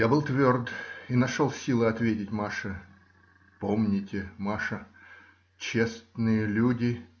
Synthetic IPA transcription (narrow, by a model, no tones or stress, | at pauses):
jabɨlˠt̪vʲord̪inɐʂolˠsʲilˠɨɐt̪vʲetʲɪtʲmaʂə | pomnʲɪtʲɪmaʂə | t͡ɕest̪nɨjəlʲudʲɪ